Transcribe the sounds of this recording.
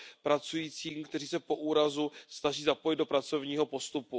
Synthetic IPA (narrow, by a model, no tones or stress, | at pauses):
pɾat͡sujiːt͡siːmkt̪ɛriːsɛpo̞ʔuːɾazusnaʒiːzapo̞jɪd̪do̞pɾat͡so̞vɲiːɦo̞po̞st̪upu